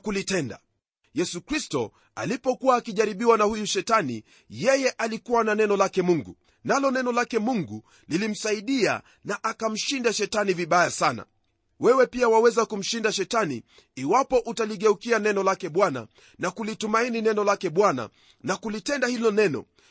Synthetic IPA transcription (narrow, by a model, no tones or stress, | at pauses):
kulitɛnda̰ | jɛsukɾistɔ | a̰lipɔkuwaːkiʄaɾiɓiwanahujuʃɛtanḭ | jɛjɛʔalikuwananɛnɔlakɛmuŋɡṵ | nalɔnɛnɔlakɛmuŋɡu | lilim̩saiɗia̰ | naʔakam̩ʃindaʃɛtaniviɓajasana̰ | wɛwɛpiawawɛzakum̩ʃindaʃɛtaniː | wapɔʔutaliɠɛukianɛnɔlakɛɓwana̰ | nakulitumaininɛnɔlakɛɓwana̰ | nakulitɛndahilɔnɛnɔ̰